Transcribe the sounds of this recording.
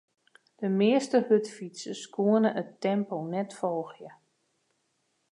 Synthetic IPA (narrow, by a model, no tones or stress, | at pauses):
d̥əmɪəstəhøtfitsəskʰuənəʔətːɛmponɛtfɔlˠxjə